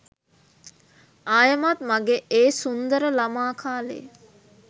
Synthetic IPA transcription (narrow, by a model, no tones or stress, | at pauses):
aːjəmat̪maɡeʔeːsund̪əɾəlamaːkʰaːlḛ